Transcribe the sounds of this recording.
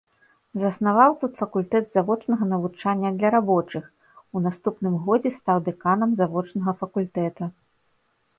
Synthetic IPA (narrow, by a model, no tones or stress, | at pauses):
zɐsnavawt̪ut̪fɐkulʲt̪ɛd̪zavɔt͡ʂnɐɣɐnɐvut͡ʂanʲːɐd̪lʲɐɾabɔt͡ʂɨx | unast̪upnɨmɣɔd͡zʲɛst̪awd̪ɛkanɐmzavɔt͡ʂnɐɣɐfɐkulʲt̪ɛt̪u